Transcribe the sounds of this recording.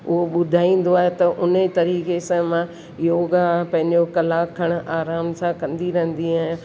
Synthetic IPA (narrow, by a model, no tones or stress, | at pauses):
ʊɦoɓʊd̪ʱaːĩːn̆d̪oaːɦet̪ɐʔʊnət̪ɐɾiːkesãmã | joːɡapɐ̃ɦɪ̃ɲd͡ʑokɐlaːkʰɐɽ̃ʔaːɾaːmsãkɐ̃nd̪iɾɐɦə̃nd̪iaːɦɪ̃